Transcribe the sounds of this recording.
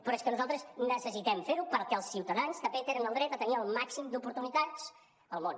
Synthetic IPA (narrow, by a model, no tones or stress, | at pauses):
pɾɔeskənuzalˠt̪ɾəznəsəsit̪ɛmfeɾupəɾkɛəlˠsːiwt̪əðanst̪əmbet̪eɾənəlˠd̪ɾɛt̪ət̪əniəlˠmaksimd̪upuɾt̪unit̪at͡s | əlˠmon